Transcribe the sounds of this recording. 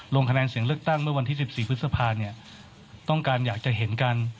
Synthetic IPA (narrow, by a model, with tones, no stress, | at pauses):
lo˧ŋkʰa˧nɛː˧nsi˨˩˦əŋlɯ˥˩ək̚t̪a˥˩ŋmɯ˥˩wa˧nt̪ʰiː˥˩si˨˩p̚siː˨˩pʰɯ˦˥t̪̚sa˧pʰaː˧ni˥˩ɐ | t̪ɔ˥˩ŋkaː˧njaː˨˩k̚t͡ɕa˨˩ʔɦe˩˦nka˧n